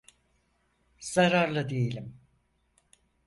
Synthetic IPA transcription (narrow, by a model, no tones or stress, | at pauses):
z̥aɾaɾlˠad̪ejelʲim